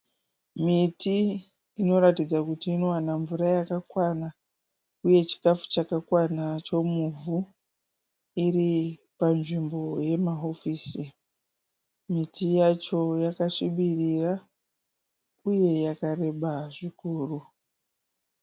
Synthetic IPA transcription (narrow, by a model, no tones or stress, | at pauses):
mitiː | no̞ɾatid͡zakutiːno̞wanaɱvurajakakwana | uje̞t͡ʃi̥kafu̥t͡ʃakakwanat͡ʃo̞muvu | iri | panʐimbo̞je̞maɦo̞fiːsi | mitʰijat͡ʃo̞jakaʃiɓirira | uje̞jakare̞ɓaʐikuːru